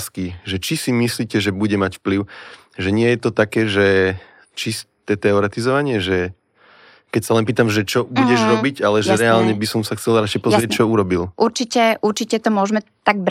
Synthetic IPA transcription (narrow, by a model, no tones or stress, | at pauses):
skiʒɛt͡ʃisimisliːcɛʒɛbuɟɛmacfpliʊ | ʒɛɲɪɛjɛt̪ɔt̪akɛːʒɛ | t͡ʃist̪t̪ɛːt̪ɛɔɾɛt̪izɔʋaɲɪɛʒɛ | kɛcsalɛnpiːt̪amʒɛt͡ʃɔbuɟɛʒɾɔbiɟalɛʒɛɾɛalɲɛbisɔmsaxt͡sɛlɾat͡ʃɛjpɔzɾɪɛc̚t͡ʃɔuɾɔbilʔuɾt͡ʃicɛʔuɾt͡ʃicɛt̪ɔmʊɔʒmɛ | t̪aɡ̚b